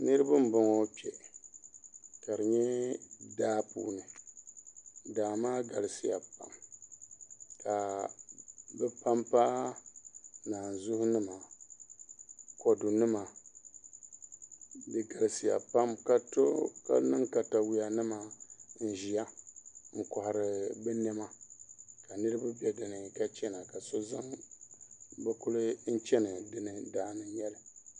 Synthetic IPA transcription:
nɨ˦ɾɨ˦bɨ˦m˦bɔ˨ŋɔ˦pi˨ɛ˨ | ka˨ɾɨ˨ɲɛ˦daː˦pṵː˦nɨ˨ | daː˨maː˦ɡa˨lɨ˨si˨ja̰˨pa̰˨m | ka˨ | bɛ˦pa˦mpa˦ | naː˨n˨zʊ˦hʊ˦nɨ˦ma˨ | kɔ˨dʊ˨nɨ˦ma˨ | bɨ˨ɡa˨lsi˨ja̰˨pa˦mka˦to˦ka̰˦nɨ˦ŋka˨ta˨wi˦ja˨nɨ˦ma˨n̩˨ʒi˨a˦ŋ̩˨kɔ˨ha˨ɾɨ˨bɛ˦nɛ˦ma˨ka˨nɨ˦ɾɨ˦ba˦bɛ˦dɨ˨nɨ˨ka˦t͡ʃɛ˦na˨ka˨so˦za˦ŋ | bɛ˦kʊ˦lɨ˦n̩˦t͡ʃɛ˦nɨ˨dɨ˦nɨ˨daː˨˦nɨ˨˦jɛ˦lɨ˨

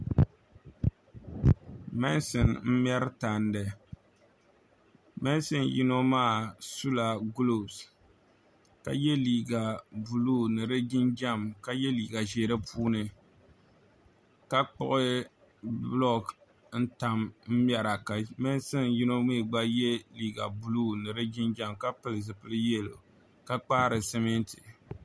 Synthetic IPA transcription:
mɛ˦nsɨ˨nm̩˦m˦ɛ˦ɾɨ˦ta˨ndɨ˨ | mɛ˦n˦sɨ˦nji˦no˦maː˦˨su˦la˨ɡlo˨s | ka̰˨jɛ˦liː˨ɡa˨bu˨luː˦nɨ˨ɾɨ˦d͡ʒi˦nd͡ʒa˦˨mka˦jɛ˦liː˨ɡa˨ʒeː˨ɾɨ˦pʰuː˦nɨ˨ | ka˦k͡pʊ̰˦ʔɪ˦ | blɔ˦k | n̩˦ta˨mm̩˦mja˨ɾa˨ka˨mɛ˦n˦sɨ˦nji˦no˦mi˦˨ɡ͡ba˦jɛ˦liː˨ɡa˨bu˨luː˦nɨ˨ɾɨ˦d͡ʒi˦nd͡ʒa˦mka˦pɨ˦lɨ˨zɨ˨pɨ˦lɨ˦jɛ˦lo̰˨ | ka˦k͡pa˦ɾɨ˨sɛ˦me˦ntʰi̥˨

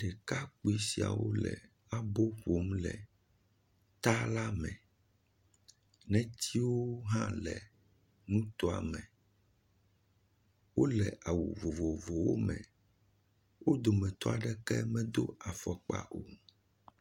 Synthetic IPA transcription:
ɖɛ˨ka˦k͡pi˦si˨a̰˨wo˦lɛ̰˨ | a˦bo˦ɸo˨˦mlɛ˨ | t̪a˦la˦mɛ̃˨ | nɛ̃˦t̪ʰi˦wo˦ɦã˦lɛ˨ | nũ˦t̪ɔ˦a̰˨mɛ̃˨ | wo˦lɛ˨ʔa˨wṵ˨vo˨vo˨vo˨wo˦mɛ̰̃˨ | wo˦d̪o˨mɛ̃˨t̪ɔ˦a˨ɖɛ˦kɛ̰˦mɛ̃˦d̪o˦a˨fɔ˨k͡pa̰˨ʔo˨

